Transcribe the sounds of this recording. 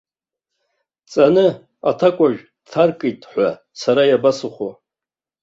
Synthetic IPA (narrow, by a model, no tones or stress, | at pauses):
t͡sʼanɨ | atʰakʷʼaʒᶣ | tʰarkʼitʼħʷa | saɾajabasɨχʷo